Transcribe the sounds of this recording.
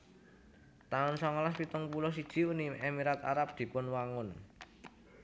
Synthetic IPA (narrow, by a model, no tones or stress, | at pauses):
t̪aʊnsɔŋalaspit̪əŋpulɔs̬id̥ʒ̥i̤unimɛmiɾat̪a̰ɾap̚d̪̥i̤pʊnwaŋʊn